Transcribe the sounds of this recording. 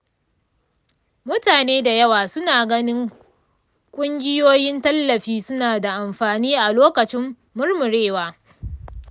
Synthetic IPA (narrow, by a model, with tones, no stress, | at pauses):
mʊ˦taː˨neː˦da˨jɐ˦waː˨sʊ˦naː˨ɡɐ˦nɪ˦ŋ | kʷʼʊ˦ŋɡʲɪ˦joː˦jɪ˦ntɐ˦lːɐ˨ɸiː˦sʊ˦naː˨da˨ʔa˨mɸaː˨niː˦ʔa˨loː˦kɐ˨t͡ʃɪ˦mː | ʊ˦rmʊ˨ɾeː˦˨waː˦